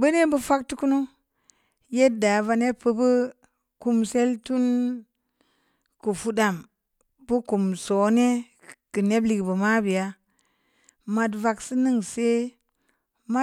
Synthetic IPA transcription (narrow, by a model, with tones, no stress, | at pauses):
bə˦ne˦bə˦fa˦k̚tu˦ku˦nu˦ | je˦t̚da˨va˧ne˦pə˦bə˦ | ku˦mse˦ltu˦n | ku˨fu˦da˨m | bu˦ku˨mso˨˦ne˦ | kɨ˨ne˦bli˨kbə˨ma˦bi˨ja˦ | ma˨d̬va˨ksi˦nɨ˦ŋse˦ | ma˦